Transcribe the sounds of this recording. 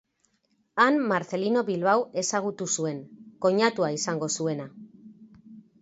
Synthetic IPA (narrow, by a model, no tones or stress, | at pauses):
anmaɾθe̞lino̞βilβawe̞saɣ̞ut̪usue̞ŋko̞ɲat̪uaisaŋɡo̞sue̞na